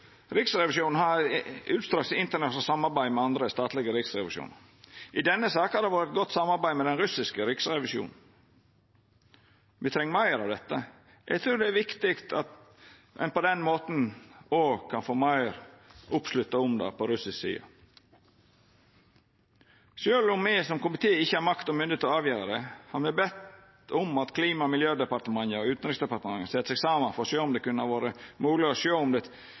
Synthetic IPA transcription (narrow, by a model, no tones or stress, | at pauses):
ɾɪksɾɛʋɪʃuːnn̩hɑɾʉːt̪st̪ɾɑːksɪnt̪ənɛsəsɑmːɑɾbæɪmɛɑnd̪ɾəst̪ɑːt̪lɪɡəɾɪksɾɛʋɪʃṵːnə | ʔɪd̪ɛnːəsɑːkhɑɾd̪ɛʋɑːɾɪt̪̚ɡɔt̪ːsɑmːɑɾbæɪmɛd̪ɛnɾʉsɪskəɾɪksɾɛʋɪʃṵːnn̩ | ʋɪt̪ʰɾɛŋəmɑɪəɾɑʋd̪ɛt̪ːə | ʔæ̰ɪt̪ʰɾuːɾd̪ɛæʋɪkt̪ɪkt̪ʰɑt̪ | ʔɛ̰npɔd̪ɛnmoːt̪n̩oːɡkʰɑnfoːmɑɪɾʔʊpslʉt̪ːɑʊmd̪ɑ̰ːpɔɾʉsɪssḭːɑ̰ | ʃøːlɔmːæɪsɔmkʊmɪt̪ʰeːɪçːəhɑɾmɑkt̪ɔmʏnd̪ɪət̪ɔɑːʋjøːɾɑd̪ɛhɑmɛbɛt̪ | ʊmɑt̪kʰliːmɑmɪljøːd̪ɛpɑɾt̪əmɑŋəʉːt̪n̩ɾɪksd̪ɛpɑɾt̪əmɑŋːəsɛt̪əsɛɡsɑːmɑfɔʂøːɔmd̪ɛkʉnəɑʋoːɾəmuːlɪɔʃøːʊmd̪ɛ